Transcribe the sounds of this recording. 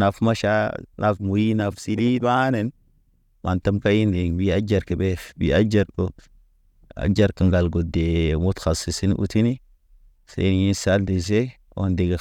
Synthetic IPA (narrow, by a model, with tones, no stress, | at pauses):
na˨fma˦ʃa˦nʔa̰˨fmu˨ji˦na˨fsi˦li˦a˦ne˨n | mʔa˨nta˦mka˦ji˦ndi˨ŋbi˦a˦d͡ʒa˨ɾki˨be˦fbḭ˨a˦d͡ʒa˨ɾo˨t | a̰˨d͡ʒa˦ɾki˨ŋɡa˨lɡo˨de˨mu˦txa˨si˨si˦n˦ʔṵ˨ti˦ni˦ | sḛ˦n˨ji˦nsa˦ldi˨s̬e˦ | o̰˦ndi˨ɡe˨